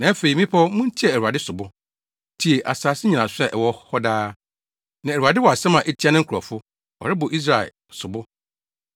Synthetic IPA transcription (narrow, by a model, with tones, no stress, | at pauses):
nã˨˦æ˦fe˨i˨mĩ˦pʰɔ˦mũ˦n̩˦tʰi˦ɛ˦˨æ˨ɾu˨a˨dɪ˦sʊ˨bʊ˦ | tʰi˨e˨ʔa˨saː˨sɪ˦ɲĩ˨nã˨sʊ˦ɛ˦˨ʔɛ˨wɔ˦hɔ˦daː˦ | nã˨æ˨ɾu˨a˨dɪ˦wɔ˨a˨sɛ˦mã˨ʔɛ˦tʰi˦a˦nɪ̃˦ŋ̩˦kʰɾɔ̰˨fʊ˦ | ɔ̰˨ɾɪ˦bʊ˨ʔi˦s̬ɾa˨ḛ˨ | sʊ˨bʊ˦